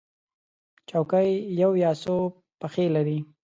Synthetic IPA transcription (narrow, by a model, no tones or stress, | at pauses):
t͡ʃawkajjawjɑso | paxelaɾi